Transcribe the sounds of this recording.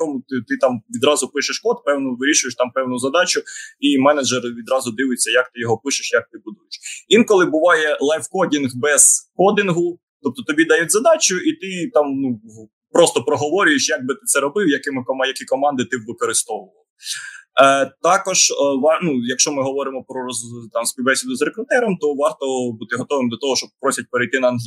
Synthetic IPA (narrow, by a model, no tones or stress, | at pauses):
t̪ɔmʊt̪ɪt̪ɪt̪ɑmʋʲid̪ɾɑzʊpɪʃeʃkɔt̪̚pɛwnʊʋɪɾʲiʃʊjeʃt̪ɑmpɛwnʊzɐd̪ɑt͡ʃʊimɛnɐd͡ʒɛrʋʲid̪ɾɑzʊd̪ɪʋʊjet͡sʲːɐjɐkt̪ɪjɔɦɔpɪʃɪ̥ʃjɐk̚t̪ɪbʊd̪ujeʃʋʲinkɔlˠɪbʊʋɑjɛlˠɑjfkɔdʲinɣbɛz̥kɔd̪ʲɪnɦʊ | t̪ɔp̚t̪ɔt̪ɔbʲid̪ɐjɛtʲzɐd̪ɑt͡ʃʊʔit̪ɪt̪ɑmnu | pɾɔst̪ɔpɾɔɦɔʋɔɾʲʊjeʃjaɡ̚bɪt̪ɪ̥t̪sɛɾɔbɪwjɐkɪmɪɔmjɐkʲikɔmɑnd̪ɪt̪ɪʋːɪkɔɾɪst̪ɔʋʊʋɐlˠɪ | t̪ɑkɔʒʋɑnujɐkʃt͡ʃɔmɪɦɔʋɔɾɪmɔpɾɔɾɔt̪ɑmspʲiwbɛsʲid̪ʊzɾekɾʊt̪ɛɾɔmt̪ɔʋɑrt̪ɔbut̪ɪɦɔt̪ɔʋɪmd̪ʲɐt̪ɔɦɔʃt͡ʃɔbpɾɔsʲɐt̚ʲpeɾejt̪ɪnɐɐnɦlʲi